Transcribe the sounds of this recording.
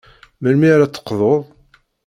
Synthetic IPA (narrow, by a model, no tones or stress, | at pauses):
məlmiɾat͡sːə̥qːðˤoðˤ